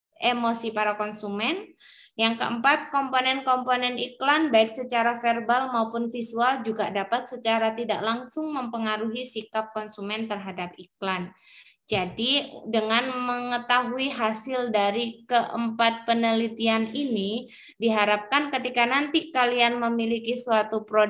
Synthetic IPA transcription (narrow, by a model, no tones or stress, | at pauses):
ʔemosipaɾakonsumɛn | jaŋkəəmpat̪̚kɔmponɛnkɔmponɛniklanbaɪk̚sət͡ʃaɾafɛrbalmaupʊnfisuald͡ʒuɡadapat̪̚sət͡ʃaɾat̪idaʔlaŋsʊŋməmpəŋaɾuɦisikap̚kɔnsumɛnt̪ərɦadap̚ik̚lan | d͡ʒadidəŋanməŋət̪aɦuiɦasɪldaɾikəʔəmpat̪̚pənəlit̪ianini | diɦaɾap̚kankət̪ikanant̪ikalianməmilikisuat̪upɾo